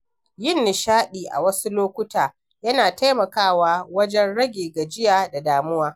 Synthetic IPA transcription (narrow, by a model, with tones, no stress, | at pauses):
jɪ˦˨nːɪ˨ʃaː˦ɗiː˨ʔa̰˨wɐ˦su˦loː˦kʷʊ˦taː˨ | jɐ˦naː˨ta˦jmɐ˨kaː˦˨waː˦wɐ˦d͡ʒɛ˦nɽɐ˦ɡʲeː˨ɡa˨d͡ʒɪ˦jaː˨da˨daː˨mʊ˦waː˦